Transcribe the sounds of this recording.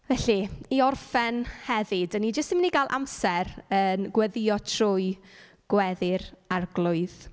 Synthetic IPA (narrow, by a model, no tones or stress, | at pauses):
vɛɬiiɔrfɛnhɛvɪdənːid͡ʒəstɪmniɡalˠʔa̰msɛrənɡwɛðɪɔtʰrʊɨ | ɡ̥wɛðɪɾarɡlˠʊɨð